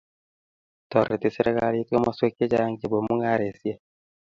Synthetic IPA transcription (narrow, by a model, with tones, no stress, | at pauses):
to˨ɾe˨ti˨se˦ɾe˦ka˦lito˦ma˨swe˦ke˦d͡ʒaŋɡe˨bo˨mu˦ŋa˦ɾe˨si˦e˦